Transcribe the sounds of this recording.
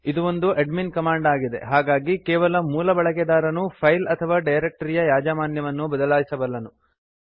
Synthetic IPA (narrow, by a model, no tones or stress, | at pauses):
id̪uo̞nd̪uʔeɖminkɐmaːɳɖaːɡid̪e̞̰ɦaːɡaːɡikɛːʋɐlɐmuːlɐbɐɭɐɡɛd̪aːɾɐnupʰɐjlɐt̪ʰɐʋaːɖɐjɾek̚ʈɐɾijɐjaːd͡ʒaːmaːnjɐʋɐnːubɐd̪ɐlaːjisɐbɐlːɐnu